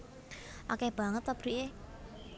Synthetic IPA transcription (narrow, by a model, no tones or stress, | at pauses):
ʔokɛb̥ä̤ŋət̪ob̥ɾiʔe